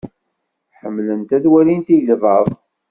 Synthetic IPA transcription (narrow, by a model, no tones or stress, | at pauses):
ħəmːlənt̪æðwælint̪ijlvəðˤ